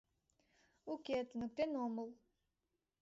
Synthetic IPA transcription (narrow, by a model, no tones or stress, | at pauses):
ukʲet̪nɨk̚t̪enoməlˠ